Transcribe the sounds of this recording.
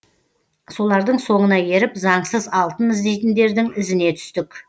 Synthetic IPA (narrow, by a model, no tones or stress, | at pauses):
so̞lˠɑɾd̪əɴso̞ɴənɑje̞ɾɪpzɑɴsəzɑlˠt̪ənɪzd̪e̞jt̪ɪnd̪e̞ɾd̪ɪŋɪzɪne̞t̪ʰʏ̥st̪ɪk